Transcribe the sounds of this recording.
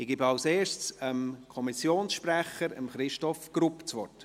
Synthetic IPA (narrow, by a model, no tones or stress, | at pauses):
ɪɡ̥ɪbɑʊseːʃsəmkʰɔmisjoːnsʃpɾæχəɾə̰mχɾɪʃtɔfɡ̥ɾupt͡sʋɔt